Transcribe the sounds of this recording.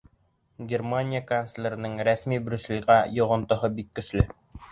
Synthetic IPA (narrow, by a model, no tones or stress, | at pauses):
ɡʲermanʲijakanslʲeɾɘ̆nɘŋɾæsmibɾʲʉselʲʁæjŏʁŏnt̪ŏɦɤbikːɵ̆ʃlɘ